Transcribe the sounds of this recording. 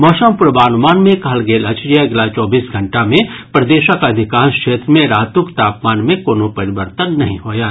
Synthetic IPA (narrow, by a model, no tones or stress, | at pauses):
mɔːʃəmpʊɾbaːnmaːnmẽkaɦlɡeːlɐt͡ʃɾijaɐɡlat͡ʃɔːbiːsɡʱɐ̃ɳʈamẽ | pɾɐd̪eːʃəkɐd̪ʱɪkaːnskʃeːt̪ɾəmẽɾaːɦt̪ʊkt̪aːpmaːnmẽkoːnopɐɾɪʋəɾt̪ənːɐɦḭ̃ɦoːjaː